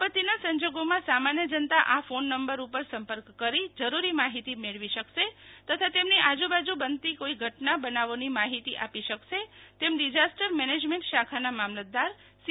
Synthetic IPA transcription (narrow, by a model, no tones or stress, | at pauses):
ət̪inasə̃ɲd͡ʒoɡomãsamanjəd͡ʒənt̪aʔafonːəmbəɾupəɾsəmpəɾkːəɾid͡ʒəɾuɾimaɦit̪imeɭʋiʃəkʃet̪ət̪ʰat̪emniʔad͡ʒũbad͡ʒubənt̪ikoiɡʱəʈnabənaʋonimaɦit̪iʔapiʃəkʃet̪emɖid͡ʒasʈəɾmɛned͡ʒmeɳʈʃakʰanamamlət̪̚d̪aɾ | s